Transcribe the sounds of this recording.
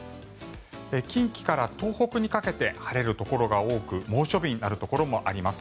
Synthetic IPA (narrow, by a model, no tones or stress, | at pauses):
ekʲĩŋkʲi̥kaɾat̪o̞ːho̞kɯ̟ɲ̟ikake̞t̪e̞haɾe̞ɾɯ̟t̪o̞ko̞ɾo̞ɡao̞ːkɯ̟mo̞ːɕo̞bʲiɲ̟inaɾɯ̟t̪o̞ko̞ɾo̞mo̞ʔaɾʲimasɨ̥